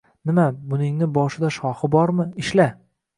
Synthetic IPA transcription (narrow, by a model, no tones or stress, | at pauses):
nɪmabʊnɪŋnɪbɒʃɪd̪aʃɒhɪbɒɾmɪɪʃla